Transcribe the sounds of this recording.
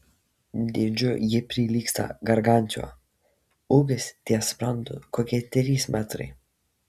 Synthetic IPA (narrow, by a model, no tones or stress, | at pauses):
d̪ʲɪd͡ʒʲʊjɪpʲɾʲilʲiːkst̪ɐ̰ɡɐɾɡanʲt̪ʲo̰ː | uːɡʲɪsʲt̪ʲiɛspɾɐnd̪ʊ̰koːkʲiɛt̪ʲɾʲiːsmʔʲæt̪ɾɐ̰ɪ